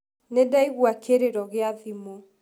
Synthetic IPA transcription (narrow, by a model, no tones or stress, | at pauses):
nedaiɣwakʰeɾeɾɔɣeaðimo